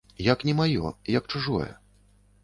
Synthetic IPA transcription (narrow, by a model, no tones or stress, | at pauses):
jɐknʲɛmajɔ̰jɐkt͡ʂuʐɔ̰jɛ̰